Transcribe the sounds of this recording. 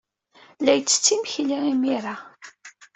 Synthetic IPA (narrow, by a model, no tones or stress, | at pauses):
læjt͡sːə̥t͡sːiməçliimiɾa